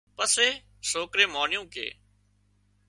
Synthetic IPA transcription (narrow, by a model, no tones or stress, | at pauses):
pəseː | soːkɾeːmaːɳɪjũːkḛː